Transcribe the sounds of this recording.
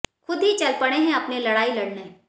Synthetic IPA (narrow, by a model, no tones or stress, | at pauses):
xʊd̪ʱɦit͡ʃɐlpɐɽ̃eɦɛ̃ɐpnelɐɽaːilɐɽne